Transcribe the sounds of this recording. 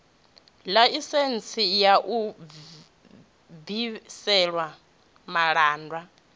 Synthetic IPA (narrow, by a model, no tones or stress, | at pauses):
laisent͡sʰʼijaʔu | bisɛɺwa | maɺaːndwa